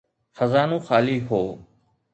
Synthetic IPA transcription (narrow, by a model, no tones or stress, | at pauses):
xəzaːnũːxaːliːɦoː